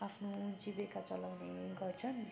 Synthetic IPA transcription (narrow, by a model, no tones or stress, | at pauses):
apʰnod͡zibekat͡sʌlawneɡʌrt͡sʰʌn